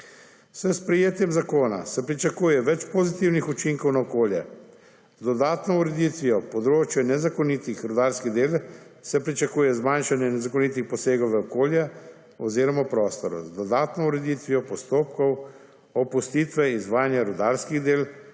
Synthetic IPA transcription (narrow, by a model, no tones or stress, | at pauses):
səspɾɛjeːt̪jɛmzakoːna̰sɛpɾit͡ʃakuːjɛʋɛt͡ʃpɔzit̪iwnixut͡ʃiŋkɔwnaɔkoːljɛ | zd̪ɔd̪aːt̪nɔuɾɛd̪it̪ʋijɔpɔd̪ɾoːt͡ʃjɛnɛzakɔnit̪ixɾud̪aːlskiɣd̪eːlsɛpɾit͡ʃakuːjɛzmanʃanjɛnɛzakɔnit̪ixpɔseːɡɔwʋɛɔkoːljɛ | ɔziːɾɔmapɾɔːst̪ɔɾɔ̰zd̪ɔd̪aːt̪nɔuɾɛd̪it̪ʋiɔpɔst̪oːp̚kɔw | ɔpust̪iːt̪ʋɛizʋaːjanjaɾud̪aːlskiɣd̪eːl